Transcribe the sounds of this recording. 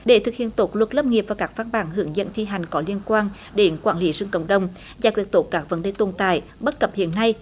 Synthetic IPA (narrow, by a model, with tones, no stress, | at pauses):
ɗe˧˩t̪ʰɨ˨˩k̚hḭ˧˨ənt̪o˨˦˥t̚lwə˨˩t̚lə˧p̚ŋi˨˩əp̚vaː˨˩kaː˦˥k̚va˧nɓaː˨˦nɦɨ˧˩əŋzə̰˧˨nt̪ʰi˧ɦa˨˩jŋ̟kɔ˨˦li˧ənkwaː˧n | ɗe˨˦nkwaː˧˩nli˨˦zɨ˧ŋkə̰˧˩wŋ͡mɗə˨˧˩wŋ͡m | vaː˨˧˩k̪ɨ˨˩ət̪o˨˦t̚kaː˦˥k̚və˨˦nɗe˧˩t̪o˨˩nt̪a̰ː˧˨jɓə˦˥t̚kə˨˩p̚hḭ˧˨ənːa˧j